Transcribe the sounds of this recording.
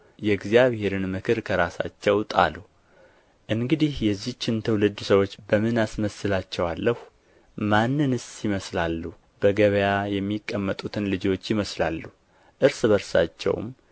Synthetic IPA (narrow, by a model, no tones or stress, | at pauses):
jɛɡzijaβhe̞ɾɨnmɨkʰɨɾkʰəɾasa̰t͡ʃːɛwt̪ʼa̰lu | ʔɨŋɡɨd̪ihjɛzːiht͡ʃːɪnt̪ʰəwlɨd̪ːsəwo̞t͡ʃːbəmɨnasməsɨlat͡ʃːɛwalːəhu | manːɨnɨsjɪməslalːu | b̥əɡəβəjajɛmːikʼːəmːət̪ʼut̪ʰɨnlɨd͡ʒo̞t͡ʃːjɪməslalːu | ʔɨɾsɨβəɾsa̰t͡ʃːɛ̰w̰m